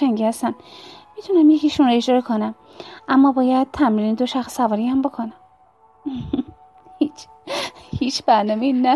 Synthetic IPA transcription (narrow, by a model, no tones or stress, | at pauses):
æŋɡʲiːhæst̪ænmit̪ʰunæmjeciʃunɾɔed͡ʒdɒːɾekʰonæm | ʔæmːɒːbɒːjæd̪̚t̪ʰæmɾined̪oʃæxsævɒːɾihæmbokʰonæm | hiːt͡ʃʰ | hiːt͡ʃʰb̥æɾnɒmeinæ